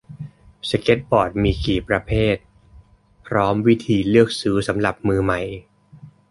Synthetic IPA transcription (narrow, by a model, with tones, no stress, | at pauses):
sa˧ke˦˥t̪̚bɔː˨˩t̪̚miː˧kiː˨˩pɾa˧pʰeː˥˩t̪̚ | pʰɾɔː˦˥mwi˦˥t̪ʰiː˧lɯ˥˩ək̚sɯː˦˥sa˩˦mɾa˨˩p̚mɯː˧ma˨˩j